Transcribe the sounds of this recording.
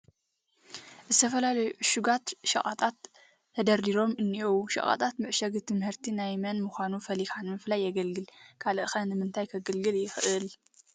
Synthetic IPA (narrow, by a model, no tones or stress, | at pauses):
ʔɨzɨt̪ʰɐfɐlalɐjuʕʃuɡat̪ʃɐ̰χʼa̰t̪ʼat̪ːʰ | ɐd̪ɐɾd̪iɾo̞mɨnːiʔowʃɐ̰kʼa̰t̪ʼat̪mɨʕʃɐɡɨt̪ʰɨmhɨɾt̪ʰinajmɐnmɨxʷanufɐlixanmɨflajːɐɡɐlɡɨlkʰalɐʔɨxɐnɨmɨnt̪ʰajkʰɐɡɨlɡɨljɪxʔɨl